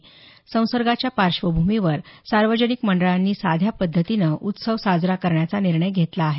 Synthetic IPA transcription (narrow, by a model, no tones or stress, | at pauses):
sə̃w̃səɾɡat͡ɕjapaɾʂʋəbʱumiʋəɾsaɾʋəd͡ʑənikməɳɖəɭanːiːsad̪ʱjapəd̪ʱːət̪inəʔut̪səʋsad͡zɾakəɾɳjat͡saniɾɳəjɡʱet̪laːɦe